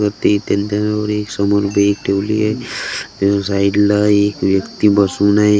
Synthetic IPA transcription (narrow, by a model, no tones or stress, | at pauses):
kəɾt̪et̪ẽnt̪eɔːɾeːksəmɔɾbʱeːkʈʰeːlḭɦɛ | saɪɖlaeːkʋjəkt̪ibəsunae